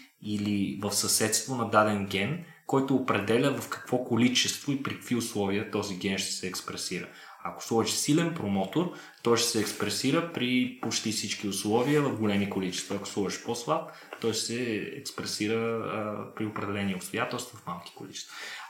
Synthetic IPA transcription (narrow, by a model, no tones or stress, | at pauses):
ilivəfsɐsɛt̪st̪vonɐd̪ad̪ɛnɡʲɛn | kɔjt̪oːpɾɛd̪ɛlʲəvɐfkɐ̥kv̥ɔkolit͡ʃɛst̪voipɾikə̥kviʊslˠɔviət̪ɔziɡɛnʃt̪ɛ̥sɛːkspɾɛsiɾə | ɐko̥slˠɔvəʃsilɛnpɾomɔt̪oɾ | t̪ɔjʃt̪ɛ̥sɛːkspɾɛsiɾəpɾipot͡ʃt̪ifsit͡ʃkiʊslˠɔviəvɐvɡolɛmikolit͡ʃɛ̥st̪vɐːko̥slˠɔvəʃposvˠat̪ | t̪ɔjʃt̪ɛsɛɛ̰kspɾɛsiɾə | pɾiopɾɛd̪ɛlɛniɛʊpst̪ojat̪ɛlˠst̪vovɐfmalˠki̥kolit͡ʃɛ̥st̪v